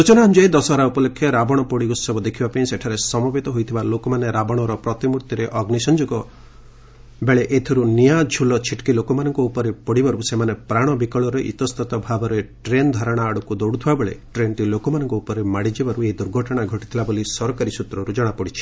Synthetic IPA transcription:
sut͡ʃɔnaɦnd͡ʒɔed̪ɔsɔɦɾaupɔlokʰːjɔɾabɔɽ̃ɔpɔɽikusɔbɔd̪ekʰibapañĩseʈʰaɾesɔmɔbet̪ɔɦojt̪ʰibalokɔmaneɾabɔɽ̃ɔɾɔpɾɔt̪imuɾt̪iɾeʔɔɡnisɔnd͡ʒɔkɔ | beɭeʔet̪ʰiɾunijad͡ʒʱulɔt͡ʃʰiʈkilokɔmanɔŋkɔupɔɾepɔɽibaɾusemanepɾaɽ̃ɔbikɔɭɔɾeʔḭt̪ɔst̪ɔt̪ɔbʱabɔɾeʈɾend̪ʱɔɾɔɽ̃aːɽukud̪oɽut̪ʰibabeɭḛʈɾenʈilokɔmanɔŋkɔupɔɾemaɽid͡ʒibaɾueid̪uɾɡʱɔʈɔɽ̃aɡʱɔʈit̪ʰilabolisɔɾɔkaɾisut̪ɾɔɾud͡ʒɔɽ̃apɔɽit͡ʃʰi̥

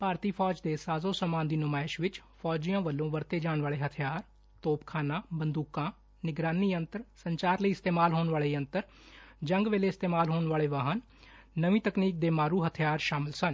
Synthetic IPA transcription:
paːɾt̪iːpʰɔːd͡ʒd̪eːsaːzõːsəmaːnd̪iːnʊmaːɪʃʋɪt͡ʃpʰɔːd͡ʒijãːʋəlːõːʋəɾt̪eːd͡ʒaːɳʋaːleːɦət̪ʰjaːɾ | t̪oːpkʰaːnãːbənd̪uːkãː | nɪɡɾaːniːənt̪əɾsəɲt͡ʃaːɾləiːɪst̪eːmaːlɦoːnʋaːleːə̃nt̪əɾ | d͡ʒə̃ŋɡʋeːleːɪst̪eːmaːlɦoːnʋaːleːʋaɦənː | əʋĩːt̪əkniːk̚d̪eːmaːɾuːɦət̪ʰjaːɾʃaːmɪlsən

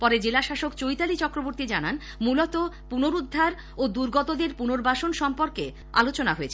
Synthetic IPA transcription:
pɔɾed͡ʑelaʃaʃokt͡ɕojt̪alit͡ɕɔkɾoboɾt̪id͡ʑanan | mulɔt̪opunoɾud̪ʱːaɾ | od̪uɾɡɔt̪od̪eɾpunoɾbaʃonʃɔmpoɾke | a̰lot͡ɕonaɦoet͡ɕʰe

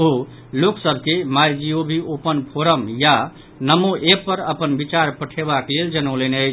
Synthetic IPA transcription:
oɦo | loksəbʱkemajd͡ʒiobʱiʔopənpʰoɾəmja | nəmoʔepːəɾəpənbit͡ʃaɾpəʈʰeβakleld͡ʒənəʊlenəjt͡ʃʰ

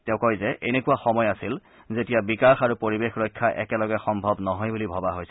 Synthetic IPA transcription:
tɛʊ̃kɔjzɛʔenekuwaxɔmɔjasil | zetijabikaɹxaɹupoɹibexɹɔjkʰːaʔɛ̰kɛlɔɡɛxɔmbʱɔbnɔɦɔjbulibʱɔbaɦojsɛ

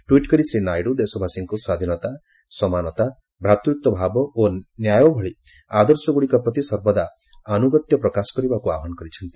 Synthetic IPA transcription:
ʈwiʈkɔɾisɾinajɽud̪esɔbʱasiŋkuswad̪ʱinɔt̪a | sɔmanɔt̪a | bʱɾat̪ɾuk̚t̪ɔbʱabɔonjajɔbʱɔɭi | ad̪ɔɾsɔɡuɭikɔpɾɔt̪isɔɾbɔd̪a | ɔnuɡɔt̪jɔpɾɔkasɔ̥kɔɾibakuaɔɦanɔkɔɾit͡ʃʰɔnt̪i

